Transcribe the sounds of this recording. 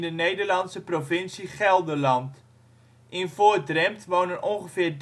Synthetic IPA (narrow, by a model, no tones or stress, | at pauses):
ndənejdərlɑntsəprofɪnsiχɛlˠdəlɑnt | ʔɪnfʊədrɛmtʋownənʔɔŋχəfɪːrd